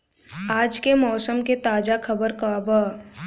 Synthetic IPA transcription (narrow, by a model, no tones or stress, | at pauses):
aːd͡ʒkemɔːsəmket̪aːd͡ʒakʰɐbəɾkaːbaː